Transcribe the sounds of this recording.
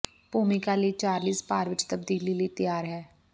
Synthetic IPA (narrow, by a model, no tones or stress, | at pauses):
puːmikaːliːt͡ʃaːɾliːspaːɾʋɪt͡ʃt̪əb̚d̪iːliːləːt̪əjaːɾɦɛː